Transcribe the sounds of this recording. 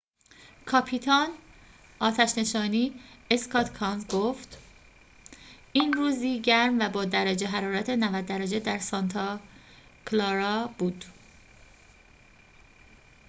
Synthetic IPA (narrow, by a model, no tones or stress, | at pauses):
kʰɒpʰit̪ʰɒn | ʔɒːt̪ʰæʃne̞ʃɒːniːeskʰɒːt̪ʰkʰɒnzɡoft̪ | ʔiːnruːziːɟæɾmvæbɒːd̪æɾæd͡ʒe̞ɦæɾɒːɾæt̪ʰenævæd̪ːæɾæd͡ʒed̪æɾsɒnt̪ʰɒ | kʰlɒːɾɒb̥uːd̪̥